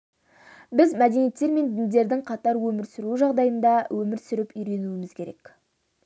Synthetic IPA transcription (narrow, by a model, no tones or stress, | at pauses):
bɪzmæd̪e̞nijet̪ːe̞ɾme̞nd̪ɪnd̪e̞ɾd̪ɪŋqʰɑt̪ɑɾwɵmɪɾsʏɾuʒɑʁd̪ɑjənd̪ɑwʔɵmɪɾsʏɾɪpʏjɾe̞nuwɪmɪzkʲʰe̞ɾe̞̰k